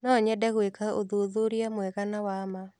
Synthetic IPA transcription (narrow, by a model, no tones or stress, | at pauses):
nɔɲɛdɛɣwekaoðoðoɾjamwɛɣanawama